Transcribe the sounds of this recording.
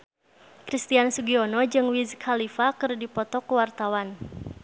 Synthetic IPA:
kɾist̪iansuɡiɔnɔd͡ʒɨŋwizkʰalifakɨrdipɔt̪ɔkuwart̪awan

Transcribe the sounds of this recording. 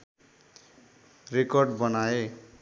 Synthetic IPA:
rekʌrɖbʌnae

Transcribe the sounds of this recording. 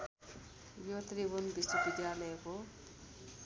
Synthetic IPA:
jot̪ribunbisubid̪jalʌjeko

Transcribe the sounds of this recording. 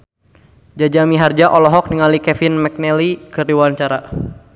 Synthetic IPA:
d͡ʒad͡ʒamiɦard͡ʒaʔɔlɔɦɔk̚niŋalikɛfɪnmɛk̚nɛlikɨriwant͡ʃaɾa

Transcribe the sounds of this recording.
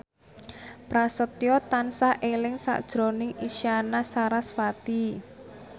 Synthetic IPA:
pɾasət̪jɔt̪ansaʔelɪŋsa̰ʔd̥ʒ̥ɾonɪŋʔiʃianasaɾaswat̪i

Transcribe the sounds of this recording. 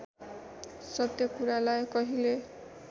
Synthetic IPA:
sɔt̪jɔkuɾalajkɔɦile

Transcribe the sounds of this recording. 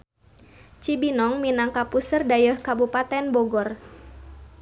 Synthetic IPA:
t͡ʃibinɔŋminaŋkapusərdajəhkabupat̪ɛnbɔɡɔr

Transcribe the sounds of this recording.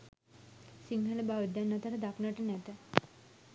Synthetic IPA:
siŋɦələbaʋəd̪janːat̪aʈəd̪ʱaknəəʈənɛt̪ə

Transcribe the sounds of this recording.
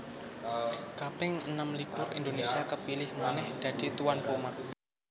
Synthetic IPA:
kapɪŋənamlikʊrḭnd̪onesiakəpilɪhmanɛhd̪̥a̤d̪̥i̤t̪uwanpuma

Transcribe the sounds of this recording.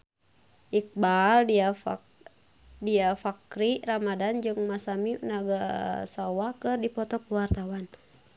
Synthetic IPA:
ʔik̚bala | diafakɾiramadand͡ʒɨŋmasamiunaɡasawakɨrdipɔt̪ɔkuwart̪awan

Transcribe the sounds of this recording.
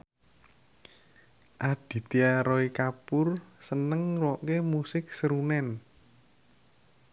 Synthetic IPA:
ʔaɖ̥i̤t̪iaɾɔikapʊrsənəŋwɔʔkemusɪk̚səɾunɛn

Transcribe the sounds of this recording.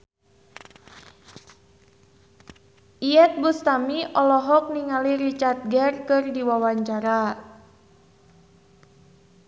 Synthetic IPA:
ʔiɛt̪̚bust̪amiʔɔlɔɦɔk̚niŋaliɾit͡ʃart̪̚ɡɛrkɨrdiwawaɲt͡ʃaɾa

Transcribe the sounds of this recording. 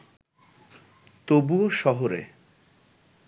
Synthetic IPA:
t̪obuoʃɔɦoɾḛ

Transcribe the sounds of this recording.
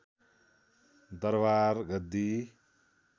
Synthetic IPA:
d̪ʌɾbaɾɡʌd̪i

